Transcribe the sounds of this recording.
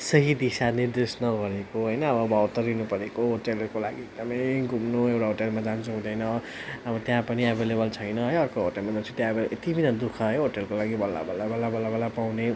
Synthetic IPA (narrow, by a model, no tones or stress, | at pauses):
sʌɦid̪isaniɾd̪esnʌɡʌɾekoɦʌjnʌːbʌːbʌːwt̪ʌrinupʌɾekoɦoʈelkola̰ɡieɡ̚d̪ʌmʌjɡʱumnoewʈaɦoʈelmad͡zant͡sʰuɦũd̪ʌjnʌ | ʌbʌt̪jãpʌniabʱelebʌlt͡sʰʌjnʌɦʌjʌrkoɦoʈelmʌnd̪ʌt͡sʰĩt̪jãbʌet̪ibʱinʌd̪ukʰʌɦʌjɦoʈelkolaɡibʌlːa̰bʌlabʌlabʌlːabalapawne